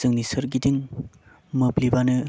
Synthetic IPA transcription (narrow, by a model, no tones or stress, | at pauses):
zɯŋnisɯɾɡidiŋ | mɯplibanɯ